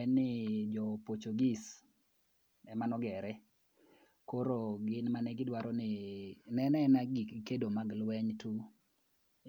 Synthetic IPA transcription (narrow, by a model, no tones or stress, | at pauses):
ɛnːɪd͡ʒɔpot͡ʃoɡis | ɛmanɔɡɛɾɛ | koɾoɡɪnmanɛɡɪdwaɾɔnɪnɛnɛnaɡikedomaɡlwɛɲtu